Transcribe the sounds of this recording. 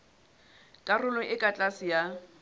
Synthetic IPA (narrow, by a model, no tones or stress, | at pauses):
kʼarʊlɔʔɪkʼat͡ɬʼasɪja